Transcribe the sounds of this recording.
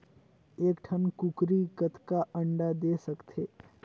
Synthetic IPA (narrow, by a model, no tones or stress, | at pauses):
eːkʈʰənkukɾikət̪ʰkaʔəɳɖad̪eːsəkt̪ʰeː